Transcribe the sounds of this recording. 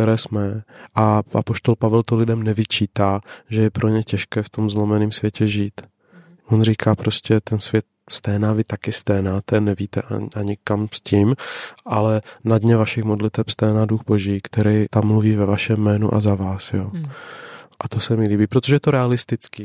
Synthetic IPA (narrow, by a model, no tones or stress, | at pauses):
t̪ɛɾɛːsmɛʔaʔapo̞ʃt̪o̞lpavɛlt̪olɪdɛmnɛvɪt͡ʃiːt̪aːʒɛjɛpɾoɲɛcɛʃkɛːft̪o̞mzlo̞mɛniːmsv̥jɛcɛʒiːt̪ | ʔonriːkʰaːpɾo̞scɛt̪ɛnsvjɛt̪̚ | st̪ɛːnaːvɪt̪akɪst̪ɛːnaːt̪ɛnɛviːt̪ɛʔa̰ʔaɲɪkamsciːmʔalɛnadɲɛvaʃɪxmodlɪt̪ɛpst̪ɛːnaduxbo̞ʒiːkt̪ɛɾɛjt̪amːluviːvɛvaʃɛmːɛːnṵʔa̰zavaːsjoː | ʔat̪osɛmɪliːbiːpɾot̪oʒɛɛt̪oɾɛalɪst̪ɪt͡ski